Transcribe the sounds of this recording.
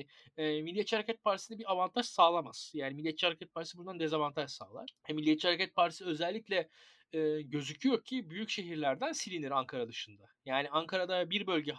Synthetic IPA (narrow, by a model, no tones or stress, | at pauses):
ɛːmilʲːijet̪t͡ʃihaɾecʰɛt̪̚pʰaɾt̪i̥sɯnabiɾavant̪ʰaʃsaːlˠamaz̥jaːnimilʲːjɛt̪̚t͡ʃihaɾecɛt̪̚pʰaɾt̪isɯbund̪and̪e̞zavant̪ʰaʒsa̰ːlˠa̰ɾɛmilʲːijet̪̚t͡ʃihaɾecɛt̪̚paɾt̪ʰi̥sɯø̞zɛlʲːiclʲɛ | ɛːɟø̞zycʰyjo̞ɾcʰibyjycʃe̞ɦiɾlʲæɾd̪ænsilʲiniɾaŋkʰaɾad̪ɯʃɯnd̪ajaːniaŋkʰaɾad̪abiɾbø̞lʲɟɛ